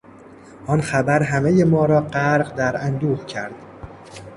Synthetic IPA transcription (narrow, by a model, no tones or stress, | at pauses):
ʔɒːnxæbæɾɦæmejemɒːɾɒːɢæɾɢd̪æɾænd̪uːhcʰæɾd̪̥